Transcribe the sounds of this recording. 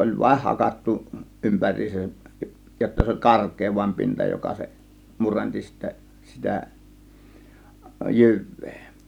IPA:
olʲ ʋɑĭh hɑkɑtːu ʔympærˑiːsæj jotːɑ se olʲ kɑrkˑeː ʋɑim pintɑ jokɑ se murenti sitːæ sitæ jyʋˑe̥ː

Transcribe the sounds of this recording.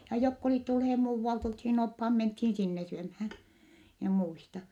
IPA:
jɑ jokː oliˑt tulheː muːʋːɑlt olthiːn ophɑː menthiːn sinːe syømhæː mie muistɑ

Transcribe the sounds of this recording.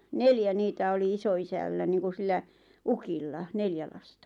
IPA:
neljæ niːtæ oli isoisælːæ niːŋku silːæ ukilːɑ neljæ lɑstɑ

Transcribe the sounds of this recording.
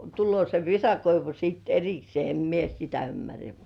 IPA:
tulːŭoˑ se ʋisɑkoiʋu siˑt eriksĭeˑ em mie sitæ ymːærːæ

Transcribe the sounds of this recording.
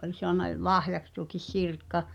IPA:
ʔolʲ soɑnɑ l lɑhjɑks tuokis sirkːɑ

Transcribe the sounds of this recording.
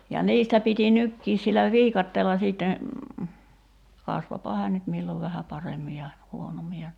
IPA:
jɑ niːstæ piti nykːiːs silːæ ʋiːkɑtːeːlːɑ siˑtːe kɑsʋopɑ hæːn nyt milːoʋ ʋæhæ pɑremːi jɑ huonomːi jɑ

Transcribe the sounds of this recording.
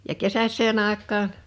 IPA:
jɑ kesæsˑeːn ɑˑekˑɑːn

